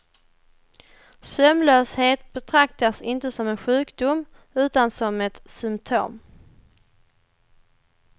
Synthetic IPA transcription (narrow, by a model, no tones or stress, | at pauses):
sœmlœːsheːt̪bɛt̪ʰɾak̚t̪asɪnt̪əsɔmɛnɧʉ̟ːkd̪ʊm | ʉ̟ːt̪ansɔmɛt̪sʏmpt̪ʰo̰ːm